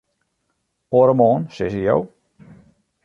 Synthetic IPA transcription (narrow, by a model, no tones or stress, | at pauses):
oɾəmɔːnsɪsijo̰w